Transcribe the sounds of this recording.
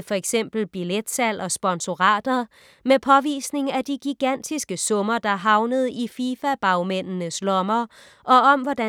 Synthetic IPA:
fɒ̽eɡ̥sem̰b̥l̩b̥iled̥sæl̰ɒ̽sb̥ɒ̽nso̝ʁɑ̈ːd̥ɐ | mepʰɒ̽ʋḭːsne̝ŋæd̥iɡ̥iɡ̥æn̰d̥isɡ̥əsɔ̽mɐd̥ɑ̈æɦɑ̈ʊnəð̞̩ˠifiːfæb̥ɑ̈ʊmen̰nəslɒ̽mɐ | ʔɒ̽ɒ̽mʋɒdæ

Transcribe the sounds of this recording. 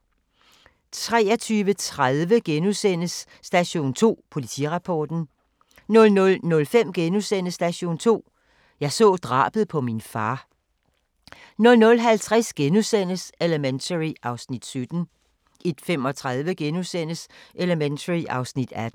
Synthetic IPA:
t͡sʰʁɛ̰ːɒt͡sʰyːʋət͡sʰʁaðˠʋəɡ̥enusen̰əsː | d̥æɕo̝̰ːnt͡sʰo̝̰ːpʰo̝lit͡sʰḭʁɑ̈pʰɒːd̥n̩ | nɔ̽lnɔlnɔ̽lfem̰ɡ̥enusen̰əsd̥æɕo̝̰ːnt͡sʰo̝̰ː | jɑ̈ɪsɔ̰̽ːd̥ʁɑ̰̈ːb̥əð̩ˠpʰɒ̽minfɑ̈ː | nɔ̽lnɔ̽lɦælt͡sʰʁasɡ̥enusen̰əseləment͡sʰəʁiɑ̈ʊsnid̥sød̥n̩ | ʔe̝d̥fem̰ɒ̽t͡sʰʁaðˠʋəɡ̥enusen̰əsʔe̝ləment͡sʰəʁiʔɑ̈ʊsnid̥æd̥

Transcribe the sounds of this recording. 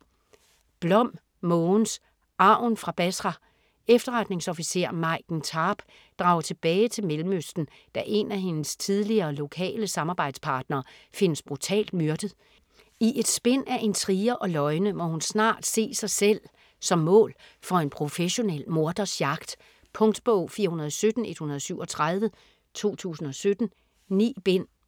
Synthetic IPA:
b̥lɒ̽m̰ | mɔːns | ʔɑ̈ʊ̰nfʁɑ̈b̥æsʁɑ | efd̥ɐʁɑ̈d̥ne̝ŋsɒ̽fise̝ɐ̰mɑ̈ɪɡ̥n̩t͡sʰɑ̈ːb̥ | d̥ʁɑ̈ːʊɐt͡sʰe̝b̥ɛːɪt͡sʰe̝lmelm̩øsd̥n̩ | d̥æʔe̝næɦe̝nəst͡sʰið̞ˠliɐːlo̝kʰɛ̰ːləsɑ̈mɑ̈ːb̥ɑ̈ɪ̰d̥spʰɑ̈ːd̥nɐːfe̝nəsb̥ʁut͡sʰɛ̰ːld̥̚myɐd̥əð̩ˠ | iʔe̝d̥sb̥en̰æʔe̝nt͡sʰʁiːɐʔɒ̽lɒ̽ɪnəmɒ̽hunsnɑ̰̈ːd̥se̝̰ːsɑ̈ɪsel̰ | sɒ̽mːɔ̰̽ːl | fɒ̽e̝npʰʁo̝feɕo̝nel̰mo̝ɐd̥ɐsjɑ̈ɡ̥d̥ | pʰɔ̽ŋd̥b̥ɔʊ̰fiːɐhunɐð̞ˠɒsød̥n̩e̝d̥hunɐð̞ˠsyʊɒ̽t͡sʰʁað̞ˠʋə | t͡sʰo̝̰ːt͡sʰṵːsn̩ɒ̽sød̥n̩ | nḭːb̥en̰

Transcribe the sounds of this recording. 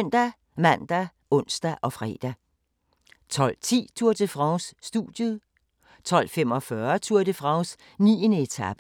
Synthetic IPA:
n̰d̥æ | mæn̰d̥æ | ɔ̽n̰sd̥æʔɒ̽fʁɛ̰ːd̥æ | t͡sʰɒ̽l̰t͡sʰḭːt͡sʰuɐ̰t͡sʰe̝fʁɑ̈ʊsːd̥uð̥jəðˠ | t͡sʰɒ̽l̰fem̰ɒ̽fɶɐt͡sʰuɐde̝fʁɑ̈ʊs | nḭːənəe̝t͡sʰɑb̥ə

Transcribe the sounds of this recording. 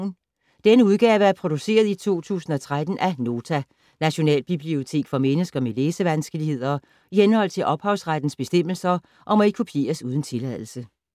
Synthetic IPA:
n | d̥enəuðˠɡ̥ɛːʋəæɐpʰʁo̝d̥use̝̰ːɐð̞ˠit͡sʰo̝̰ːt͡sʰṵːsn̩ɒ̽t͡sʰʁad̥n̩ʔæno̝ːt͡sʰæ | næɕo̝nɛ̰ːlb̥ib̥lio̝t͡sʰe̝̰ːɡ̥fɒ̽menəsɡ̥ɐmeleːsəʋænsɡ̥əlihe̝ð̞̰ˠɐ | ihenhɒ̽l̰t͡sʰe̝lʔɒ̽b̥hɑ̈ʊsʁad̥n̩sb̥e̝sd̥em̰l̩sɐ | ʔɒ̽mɒ̽ikʰupʰje̝̰ːɐsuːð̞ˠn̩t͡sʰe̝læð̞ˠl̩sə

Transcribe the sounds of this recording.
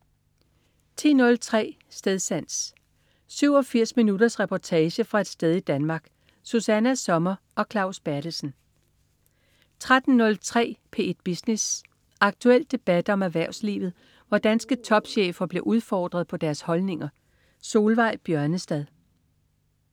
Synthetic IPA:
t͡sʰḭːnɔ̽lt͡sʰʁɛ̰ː | sd̥eðˠsæn̰s | syʊɒ̽fiɐ̰sminudɐsʁɛpʰɒt͡sʰɛːɕəfʁɑ̈e̝d̥sd̥eð̞ˠid̥ænmɑ̈ːɡ̥ | susænæsɒ̽mɐ | ɒ̽kʰlɑ̈ʊsb̥æɐɾ̥əsn̩ | t͡sʰʁad̥n̩nɔ̽lt͡sʰʁɛ̰ːpʰe̝̰ːed̥̚b̥isnes | ɑ̈ɡ̥̚t͡sʰuel̰d̥e̝b̥æd̥ɒ̽mæʋæɐʊslḭːʋð̞̩ˠ | ʋɒd̥ænsɡ̥ət͡sʰɒ̽b̥ɕḛːfɐb̥le̝ʔuð̞ˠfɒ̰ːd̥ʁɐðˠpʰɒ̽d̥æɐshɒ̽lne̝ŋɐ | so̝ːlʋɑ̈ɪ̰b̥jɶɐnəsd̥æðˠ

